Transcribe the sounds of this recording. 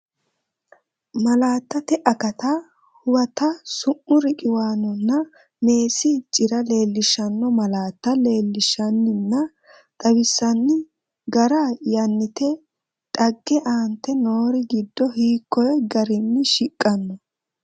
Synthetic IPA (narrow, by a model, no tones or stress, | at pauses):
mɐlaːt̪ːɐt̪ɛʔɐkɐt̪a | hʊwɐt̪ɐsʊmːʊɾɪkʼɪwaːnɔnːɐ | me̞ːsɪt͡ʃʼɪɾɐle̞ːlːɪʃɐnːɔmɐlaːt̪ːɐle̞ːlːɪʃɐnːɪnːɐ | t̪ʼɐwɪsːɐnːɪ | ɡɐɾajɐnːɪt̪ɛ | t̪ʼɐɡːɛʔaːnt̪ːɛno̞ːɾɪɡɪd̪ːɔhiːkːɔjɛɡɐɾɪnːɪʃɪkʼːɐnːɔ